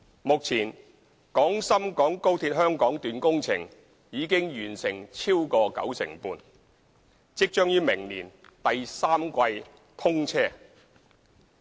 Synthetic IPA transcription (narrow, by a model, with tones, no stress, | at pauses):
mʊ˨k̚t͡sʰiː˨˩n | kɔː˨˥ŋsɐ˥mkɔː˨˥ŋko˥wt̪ʰiː˧t̚hœː˥ŋkɔː˨˥ŋt̪yː˨nkʊ˥ŋt͡sʰɪ˨˩ŋ | jiː˨˧kɪ˥ŋjyː˨˩nsɪ˨˩ŋt͡sʰiː˥wkɔː˧kɐ̰˨˥wsɪ̰˨˩ŋpuː˧n | t͡sɪ˥k̚t͡ʃœː˥ŋjyː˥mɪ˨˩ŋniː˨˩n | t̪ɐ˨jsaː˥mkʷɐ˧j | t̪ʰʊ˥ŋt͡sʰɛː˥